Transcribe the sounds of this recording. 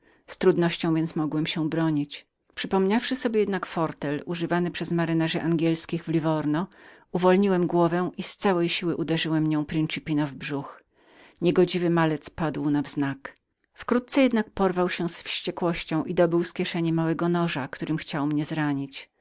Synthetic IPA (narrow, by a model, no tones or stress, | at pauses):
st̪ɾud̪nɔɕt͡ɕɔ̃w̃vʲjɛnt̪smɔɡwɛmɕɛbɾɔɲit͡ɕ | pʂɘpɔmɲafʂɘsɔbʲjɛjɛd̪nakfɔɾt̪ɛluʐɘvanɘpʂɛzmaɾɘnaʐɛʔaŋɡʲɛlskʲiɣvlʲivɔɾnɔuvɔlɲiwɛmɡwɔvɛ̃ʔist̪sawɛjɕiwɘʔud̪ɛʐɘwɛmɲɔ̃w̃pɾint͡ʂɘpʲinɔvbʐux | ɲɛɡɔd͡ʑivɘmalɛt̪spad̪wnavznak | fkɾut̪̚sɛjɛd̪nak̚pɔɾvawɕɛsfɕt͡ɕɛkwɔɕt͡ɕɔ̃w̃ʔid̪ɔbɘwskʲjɛʂɛɲɛmawɛɡɔnɔʐakt̪uɾɘmxt͡ɕawmɲɛzɾaɲit͡ɕ